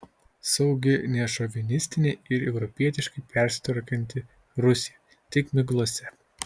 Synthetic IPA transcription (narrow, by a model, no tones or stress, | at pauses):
sɒʊɡʲɪnʲɛʃɔʋʲɪnʲɪsʲt̪ʲɪnʲɛɪɪɾɛʊɾɔpʲiɛt̪ʲɪʃkɐɪpʲɛˑɾʲsʲɪ̥t̪ʋɐɾʲkʲɛnʲt̪ʲɪ | ɾʊsʲɪjɛ | t̪ʲɪkmʲɪɡlˠuɔsʲɛ